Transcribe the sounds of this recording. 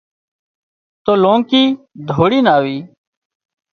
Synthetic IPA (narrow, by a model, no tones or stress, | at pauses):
t̪oːlõːŋkiː | d̪ʱoːɽiːnaːʋiː